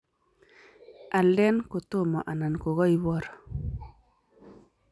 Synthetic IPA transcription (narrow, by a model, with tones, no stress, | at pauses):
ʔa˨lɛ˦nko˨t̪o˦˨mɔ˨ʔa˨na˨nko˨ɣɔ˦i˦wɔ˦ɾɔ̥˨